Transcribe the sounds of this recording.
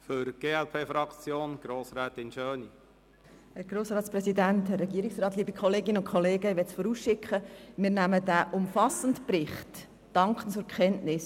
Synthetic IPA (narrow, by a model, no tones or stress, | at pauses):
føɾɡ̥eːɛlpʰeːfɾɑkt͡sjoːnɡ̥ɾoːsɾɛːt̪ɪnʃøːni | hæɾɡ̥ɾoːsrɑːt̪sprɛsidænthɛrːɛɡiəɾɪksrɑːt̪liːbikχɔleːɡɪnəʊnkʰχɔleːɡəɪʋɛtsfɔɾuːsʃɪkχəmɪːɾnæmədæʔʊmfɑsəntprɪχt | d̥ɑŋkχənt͡sʊɾkʰɛntnɪs